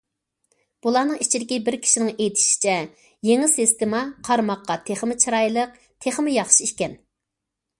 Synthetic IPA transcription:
b̥ulˠɑnɨŋit͡ʃʰid̪ɪkʲibɪɾkʲʰi̥ʃinɪŋejt̪ʰɪ̥ʃi̥t͡ʃʰɛ | jeŋɪsɪst̪ɪmɑqʰɑɾmɑqːɑt̪ʰeχmɪt͡ʃʰɾɑjlˠəq̚ | t̪ʰeχmɪjɑχʃiiʃkʲɛn

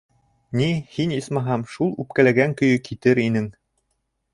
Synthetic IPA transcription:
nihinismɑɦɑmʃulˠʉp̚kælæɡæŋkɵ̆jɵkit̪ɘɾinɘŋ

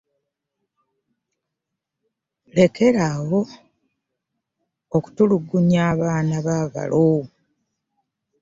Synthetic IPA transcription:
le̞ke̞ɾawo̞ | oku̥tuluɡːuɲaːβaːnaβaːva̰lo

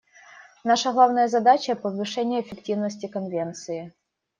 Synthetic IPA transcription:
naʂəɣlˠavnəjəzɐd̪at͡ɕəpəvɨʂɛnʲɪjəːfʲɪktʲivnəsʲtʲɪkɐnvʲent̪sɨjɪ

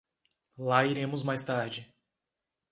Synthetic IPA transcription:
laiɾẽmʊzmajst̪aɾd͡ʒɪ

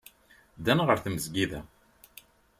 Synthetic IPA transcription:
d̪ænʁəɾθməzɡiðæ̰

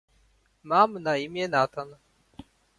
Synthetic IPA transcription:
maːmɨnaimjenaːt̪ʰan

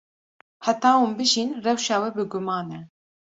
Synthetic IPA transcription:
hæt̪ɑːuːmbɨʒinrɛwʃɑːwɛbɨɡʊmɑːnɛ

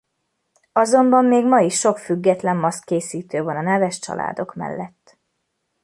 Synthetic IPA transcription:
ɒzo̞mbɒmːeːɡmɒiʃːo̞kfyɡːɛt̪lɛmːɒskkeːsiːt̪øːvɒnɒnɛvɛʃt͡ʃɒ̰lʔa̰ːd̪o̞kmɛ̰lːɛt̪ː

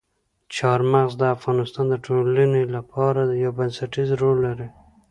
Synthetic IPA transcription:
t͡ʃɑɾmaɣzd̪əafɣɑnɪst̪ɑnd̪əʈʰolənelapʰɑɾad̪əjawbansaʈizɾolːaɾi

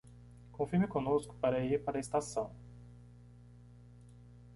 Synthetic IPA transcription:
kõfiɾmɪkõnoskʊ̥paɾɐiɾpaɾɐest̪asɐ̃w̃

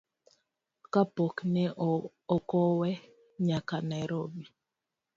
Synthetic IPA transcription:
kapoknɛ | ɔkɔwɛ | ɲakanaɾobi

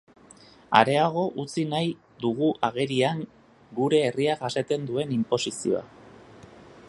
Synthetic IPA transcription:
a̰ɾe̞aɣ̞o̞ʔut͡sinaj | d̪uɣuʔaɣ̞e̞ɾiaŋ | ɡuɾe̞ːriaʝaset̪e̞nd̪ue̞nimpo̞sisio̞̰a̰

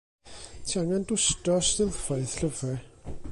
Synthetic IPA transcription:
tʰiaŋandʊstɔstɪlˠfɔɨð̥ɬəvrɛ

